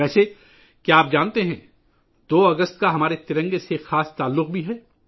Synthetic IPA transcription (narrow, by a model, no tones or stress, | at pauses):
ɛːse | keaːp̚d͡ʒãːnt̪eɦɛ̃ | d̪oːɐɡəst̪kaɦɐmaːɾet̪ɪɾə̃ŋɡesexaːst̪aːlːʊq̚bʱiɦɛː